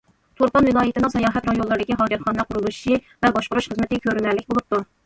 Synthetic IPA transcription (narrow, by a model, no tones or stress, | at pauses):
t̪ʰoɾqɑnvɪlˠɑːjɪt̪ɪnɪŋsɛjɑːɦɛt̪ɾɑjolˠːɨɾd̪ɪkʲiɦɑːd͡ʒɪt̪χɑnlæqʰʊɾulˠuʃʃi | vɛbɑʃqʊɾuʃχəzmɪt̪ɪɡʲɛkʲʰøɾɪnæɾlɪkʲbolˠup̚t̪u